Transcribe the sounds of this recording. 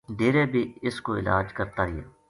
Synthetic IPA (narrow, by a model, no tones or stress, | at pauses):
ɖeːɾeːbʱiːɪskoɪ̰la̰ːd͡ʒkəɾt̪aːɦɪja̰ː